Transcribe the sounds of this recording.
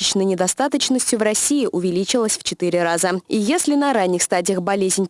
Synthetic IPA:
ɪt͡ɕnəjnʲɪd̪ɐst̪at̪ət͡ɕnəsʲtʲjʊvrɐsʲiɪʔʊvʲɪlʲit͡ɕɪlˠəsʲft͡ɕɪt̪ɨɾʲɪrazəijesʲlʲɪnɐɾanʲːɪxst̪adʲɪjəxbɐlʲezʲnʲ

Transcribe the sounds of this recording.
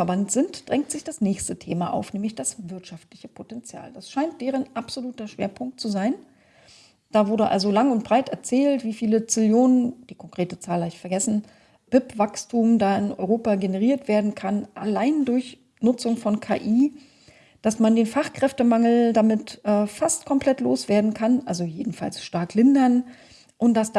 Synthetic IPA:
ɛɐbantz̥ɪntd̥ʁɛŋk̚tz̥ɪçd̥asnɛːçstətʰeːmaʔa̰ʊfnɛːmlɪçd̥asvɪɐtʃaftlɪçəpʰotɛnt͡sja̰ːldasʃaɪnt̚d̥ɛːʁ̞ənʔapz̥oluːtɐʃv̥ḛːɐpʰʊŋk̚tt͡suzaɪn | d̥aːvʊɐdɾəʔa̰lzolaŋʊntb̥ʁaɪtɛɐt͡sɛːltv̥iːfiːlət͡sɪljoːnənd̥iːkʰɔŋkʁ̥eːtət͡saːlaɪçfɛɐɡɛsn̩ | b̥ɪpv̥akstʰuːmdaːɪnʔɔʏʁoːpaɡenəʁ̞iːɐtv̥eːɐdn̩kʰanʔa̰laɪndʊɐç | nʊt͡sʊŋfɔnkʰa̰ːʔiː | d̥asmandeːnfaχkʁ̥ɛftəmaŋl̩damɪtʔɛːfastkʰɔmpl̥ɛtloːsv̥eːɐdn̩kʰanʔalzojeːdn̩fa̰lsʃtaɐklɪndɐn | ʔʊntd̥asd̥

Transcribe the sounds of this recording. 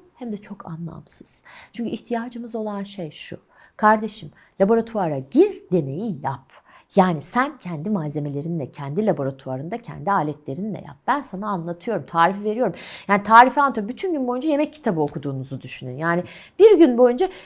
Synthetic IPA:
hæmd̪ɛt͡ʃʰo̞kʰa̰nlˠa̰msɯ̥z̥t͡ʃʰyɲcʰyiçt̪ʰijaːd͡ʒɯmɯzo̞lˠanʃejʃṵ | kʰaɾd̪e̞ʃim | lʲabo̞ɾat̪ʰuaɾaɟiɾd̪e̞ne̞jijap | jaːnisæncʰɛnd̪imaːze̞me̞lʲe̞ɾinlʲɛcʰɛnd̪ilʲabo̞ɾat̪ʰuaɾɯnd̪acʰɛ̰nd̪iaːlʲɛt̪lʲe̞ɾinilʲɛ̰ja̰p̚b̥ænsanaːnlˠat̪ʰɯjo̞ɾumt̪ʰaːɾifive̞ɾijo̞ɾumjaːnit̪ʰaːɾifant̪ʰobyt̪ʰynɟynbo̞jund͡ʒaje̞mɛc̚cʰːi̥t̪ʰabɯo̞kʰud̪uːnuzud̪yʃynynjaːni | b̥iɾɟynbo̞jund͡ʒa

